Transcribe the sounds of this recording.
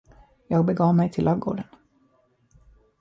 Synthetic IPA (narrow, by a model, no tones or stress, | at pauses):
jɑːɡ̚bɛɡɑːvmɛjt̪ʰɪlʔɑvɡo̰ːɖən